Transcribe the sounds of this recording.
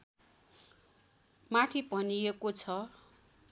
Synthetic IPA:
maʈʰipʌniekot͡sʰʌ

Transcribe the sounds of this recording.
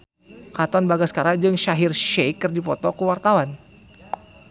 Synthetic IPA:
kat̪ɔnbaɡaskaɾad͡ʒɨŋʃaɦirʃɛjkːɨrdipɔt̪ɔkuwart̪awan

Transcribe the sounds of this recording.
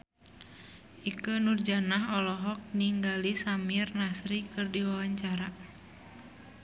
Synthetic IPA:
ʔikənurd͡ʒanaɦɔlɔɦɔk̚niŋɡalisamirnasɾikɨrdiwawaɲt͡ʃaɾa

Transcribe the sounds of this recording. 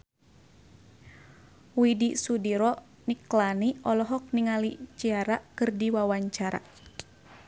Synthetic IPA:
widisudiɾɔ | niklaniʔɔlɔɦɔk̚niŋalit͡ʃiaɾaʔkɨrdiwawaɲt͡ʃaɾa̰

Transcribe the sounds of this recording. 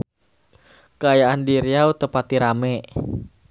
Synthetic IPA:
kəajaʔandiɾiawt̪əpat̪̚iɾamɛʔ

